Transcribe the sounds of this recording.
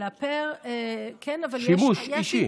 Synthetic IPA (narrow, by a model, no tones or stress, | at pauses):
apeʁekʰɛnavalʃjimuʃjiʃi